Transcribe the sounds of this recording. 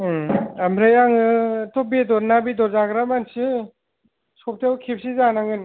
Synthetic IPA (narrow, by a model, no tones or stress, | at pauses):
amɾajaŋɯtʰɔbidɔɾnabidɔɾzaɡɾamansɯ | sɔp̚tʰewkʰip̚sizanaŋɯn